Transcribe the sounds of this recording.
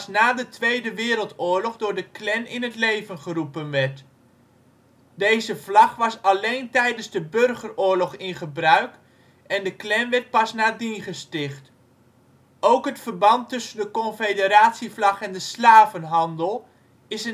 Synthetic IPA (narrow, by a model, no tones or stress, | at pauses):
snaːdətʋejdəʋɪːɾəlˠtʊːɹlɔχdʊːɹdəklɛnɪnətlejvənχərupənʋɛɹt | dejzəvlɑχʋɑsɑlejntɛjdənzdəbørχərʊːɹlɔχɪnχəbrœɥk | ɛndəklɛnʋɛɹt̚pɑsnaːdinχəstɪχt | owkɦətfərbɑntːɵsəndəkɔnfedəɾaːtsiflɑχɛndəslaːvənɦɑndəlˠ | ɪsə